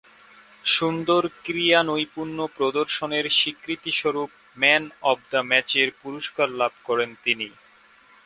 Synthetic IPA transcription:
ʃund̪oɾkɾijanojpuɾnopɾod̪oɾʃoneɾʃikɾit̪iʃoɾup̚ | mɛnɔbd̪amɛt͡ɕeɾpuɾoʃkaɾlab̚ʱkɔɾent̪ini

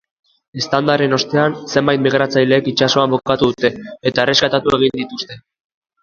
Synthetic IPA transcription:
e̞st̪and̪aɾe̞no̞st̪e̞anse̞mbajt̪̚miɣɾat͡sajle̞ːkit͡ʃaso̞ambokat̪uðut̪e̞ːt̪aere̞skat̪at̪ue̞ɣ̞ind̪it̪ust̪e̞

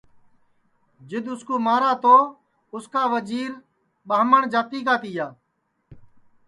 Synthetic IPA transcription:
d͡ʒɪd̪ʊskoːmaːɾaːt̪oː | ʊskaːʋəd͡ʒiːɾ | ɓaːməɳd͡ʒaːt̪iːk̬aːt̪ɪjaː

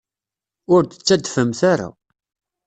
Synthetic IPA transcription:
ʊɾd̪ə̥t͡sːæd̪fəmθaɾa̰

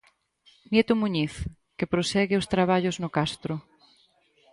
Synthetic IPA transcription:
njet̪ʊmuɲiθ | kepɾosɛɣɪost̪ɾaβ̞aʎʊznʊkast̪ɾʊ

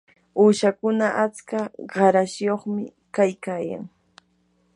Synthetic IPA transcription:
uːʃakʊnaʔat͡skaɢɑɾasjoχmɪ̰ | kajkaːja̰ŋ

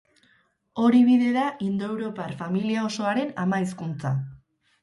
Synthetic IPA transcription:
o̞ɾiβiðe̞ðaʔind̪oe̞wɾo̞parfamiliao̞so̞aɾe̞na̰maiskunt͡sa

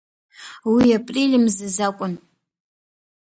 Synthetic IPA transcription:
wiapʼrilʲɨmzɨzakʷʼʊn

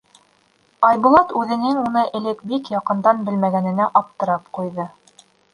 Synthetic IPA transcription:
ɑjbulˠɑt̪ʉðɘ̆nɘŋunɤʔɘ̆lɘk̚bikjɑqɤ̆nd̪ɑnbɘ̆lmæɡænɘ̆næʔɑp̚t̪ɤ̆ɾɑp̚qujðɤ

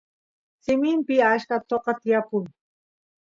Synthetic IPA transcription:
sɪmɪmpɪaʃkat̪oqɑt̪ɪjakʊŋ

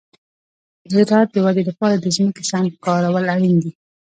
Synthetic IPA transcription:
zɪɾɑt̪̚d̪əwad̪ed̪əpɑɾad̪əziməkasɑnkɑɾawəlaɽind̪i

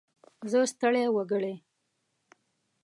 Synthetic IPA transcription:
zəst̪əɽewəɡəɽe

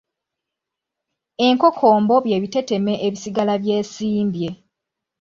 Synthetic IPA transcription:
e̞ŋko̞kʰo̞ːmbo̞βje̞ːβite̞te̞me̞ʔeβisiɡalaβje̞ːsiːmbje̞

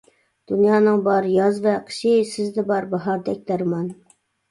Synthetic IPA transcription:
d̪̥unjɑːnɨŋbɑɾjɑzvɛqʰə̥ʃɪsɪzd̪ɪbɑɾbɑɦɑɾd̪ɛk̚ʲlæɾmɑn

